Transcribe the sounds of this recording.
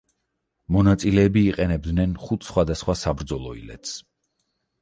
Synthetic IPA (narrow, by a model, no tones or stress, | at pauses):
mɔnat̪sʼilɛːbiːqʼɛnɛb̚d̪nɛnχut̪ʰsχwad̪asχwasabɾd̪zɔlˠɔḭlɛ̰t̪ʰs